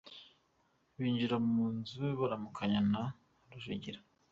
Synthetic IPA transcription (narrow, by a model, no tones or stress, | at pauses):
βiːɲd͡ʒiɾamuːnzueβaɾamukʰaɲana | ɾuʒḭɟiɾḁ